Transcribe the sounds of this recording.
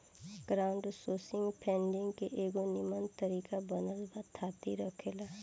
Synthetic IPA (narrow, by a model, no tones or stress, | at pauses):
ɡ̥ɾaːʊɳɖsoːsɪ̃ŋɡpʰɛ̃ːɳɖɪ̃ŋɡkeʔeːɡonɪmənt̪əɾiːkabənəlbat̪ʰːaːt̪iɾəkʰeːla